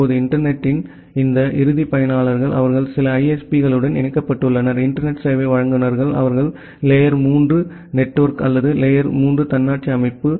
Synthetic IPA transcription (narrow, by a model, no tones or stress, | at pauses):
oːðɯɪɳʈɐɾnɛʈːɪn | ɪnd̪ɐʔɪɾɯðipɐjɐnaːɭɐɾɣɐɭʔɐ̰ʋɐɾɣɐɭsɪlɐɐɪɛspiɣɐɭɯɽɐnɛnɐkːɐpːɐʈːɯɭːɐnɐɾɪɳʈɐɾnɛʈsɐːʋeʋɐɻɐŋɡɯnɐɾɣɐɭɐ̰ʋɐɾɣɐɭ | lɛjɐɾmuːndrɯ | nɛʈːʋɐɾkɐlːɐðɯlejɐɾmuːndrɯt̪ɐnːaːʈ̚t͡ʃiɐmɪpːɯ